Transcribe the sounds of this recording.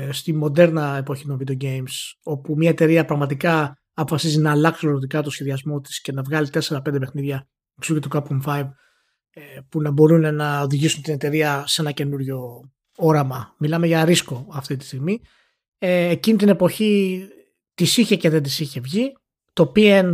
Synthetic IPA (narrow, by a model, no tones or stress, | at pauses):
st̪imo̞d̪e̞ɾnɐe̞po̞çit̪o̞ɱvid̪eo̞ɟejmso̞pumɲɐe̞t̪e̞ɾiɐpɾɐɣmɐt̪̬ikɐ | ɐpo̞fɐsizinɐːlɐksiloɾot̪ikɐt̪o̞sçe̞ðiɐzmo̞t̪i̥sce̞nɐvɣɐlit̪e̞se̞ɾɐpe̞nd̪epe̞xniðʝɐ | eksocet̪ukɐp̚kumfajv | punɐbo̞ɾunenɐoðiʝisunt̪inet̪e̞ɾiɐse̞nɐce̞nuɾʝo̞ | o̞ɾɐmɐmilɐme̞ʝɐɾisko̞ɐft̪it̪i̥st̪iɣmi | eːcinit̪ine̞po̞çi | t̪isiçe̞ce̞ðe̞nd̪isiçe̞vʝi | t̪opien